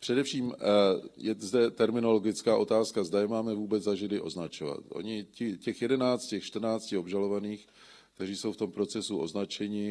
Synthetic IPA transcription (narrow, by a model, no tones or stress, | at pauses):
pr̝̥ɛdɛfʃiːm | jɛzdɛt̪ɛɾmɪno̞lo̞ɡɪt͡skaːʔo̞t̪aːskazdajɛmaːmɛvuːbɛd͡zzaʒɪlɪʔo̞̰znat͡ʃo̞va̰t̪ʔo̞̰ɲɪcɪcɛxjɛdɛnaːt͡scɛxʃt̪rnaːt͡scɪo̞bʒalo̞vaniːxk | kt̪ɛriːso̞wft̪o̞mpɾo̞t͡sɛsuʔo̞̰znat͡ʃɛɲɪ